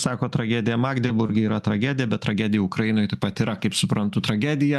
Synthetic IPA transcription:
sɑːkoːt̪ɾɐɡʲæːd̪ʲɪjɛmɑːɡd̪ʲɛbʊɾʲɡʲɪiːɾɐt̪ɾɐɡʲæːd̪ʲɪjɛbʲɛt̪t̪ːɾɐɡʲæd̪ʲɪjʊʊkɾɐjɪnoːjt̪ɐɪpɐt̪iɾɐkɐɪpsʊpɾɐnt̪ʊt̪ɾɐɡʲæːd̪ʲɪjɛ

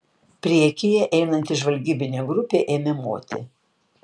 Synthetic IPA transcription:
pʲɾʲiɛkʲɪjɛʔɛɪnɐnʲt̪ʲɪʒʋɐlʲɡʲiːbʲɪnʲeːɡɾʊpʲeːʔeːmʲɛmo̰ːt̪ʲɪ̰

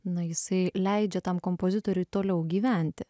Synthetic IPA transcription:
nɐjɪsɐɪlʲɛɪd͡ʒʲɛt̪ɐmkompoːzʲɪt̪oːɾʲɛɪt̪oːlʲɛʊɡʲiːʋʲæˑnʲt̪ʲɪ

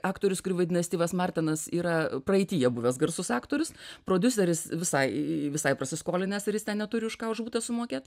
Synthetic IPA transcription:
ɑːkt̪oːɾʲʊskʊɾʲiːʋɐd̪ʲɪnʲɐsʲt̪ʲiːʋɐsmɑrʲt̪ʲɛnɐsiːɾɐprɐɛɪt̪ʲiːjɛbʊʋʲɛːsɡɐrsʊsɑːkt̪oːɾʲʊspɾoːd̪ʲʊsʲɛɾʲɪsʋʲɪsɐɪʋʲɪsɐɪprɐsʲɪskoːlʲɪnʲɛsɪɾjɪst̪ʲɛnnʲɛt̪ʊɾʲɪʊʃkɑːʊʒbuːt̪ʲɛsʊmoːkʲeːt̪

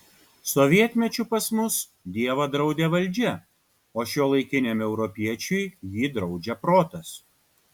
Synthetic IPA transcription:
sɔʋʲiɛt̪ʲmʲɛt͡ʃʲupɐsmʊs | d̪ʲiɛʋɐd̪ɾɐʊd̪ʲeʋɐlʲˑd͡ʒʲɛ | oːʃʲoːlˠɐɪkʲɪnʲemɛʊɾɔpʲiɛt͡ʃʲʊjjiːd̪ɾɒʊd͡ʒʲɛpɾoːt̪ɐs

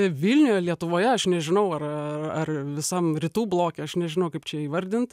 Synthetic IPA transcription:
ʋʲɪlʲnʲʊjɛlʲiɛt̪ʊʋoːjɛɐʃnʲɛʒʲɪnɐʊɐrɐɐrʋʲɪsɐmɾʲɪt̪uːblˠoːkʲɛɐʃnʲɛʒʲɪnɐʊkɐɪpt͡ʃʲɛiːʋɐɾʲd̪ʲɪnt̪

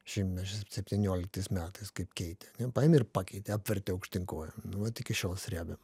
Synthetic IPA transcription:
ʃʲɪmʲɛʃʲssʲɛpʲt̪ʲinʲuɔlʲɪk̚t̪ɐɪsmʲæːt̪ɐɪskɐɪpkʲɛɪt̪ʲɪɐnʲɛpɑːɛmʲɪɾpɑːkʲɛɪt̪ʲɪɑːpʲʋʲɛɾʲt̪ʲɪɐʊkʃʲt̪ʲɪŋkoɔjɛmnʊʋɐt̪ʲɪkʲɪʃʲoːlˠsʲɾʲæːbʲɛm

